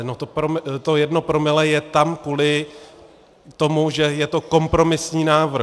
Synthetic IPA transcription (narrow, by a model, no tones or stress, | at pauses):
not̪opɾomt̪o̞jɛdno̞pɾo̞mɪlɛjɛt̪amkuːlɪ | t̪o̞muʒɛjɛt̪o̞ko̞mpɾo̞mɪsɲiːnaːvr̩